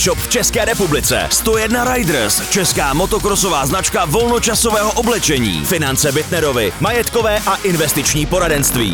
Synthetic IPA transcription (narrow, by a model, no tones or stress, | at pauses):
ʃopft͡ʃɛskɛːɾɛpublɪt͡sɛ̰st̪ojɛdnaɾajdr̩st͡ʃɛskaːmo̞t̪okɾoso̞vaːznat͡ʃkavo̞lno̞t͡ʃasovɛːɦoʔoblɛt͡ʃɛɲḭːfɪnant͡sɛbɪt̪nɛɾo̞vɪmajɛt̪kovɛːʔaʔɪnvɛst̪ɪt͡ʃɲiːpo̞ɾadɛnst̪vḭː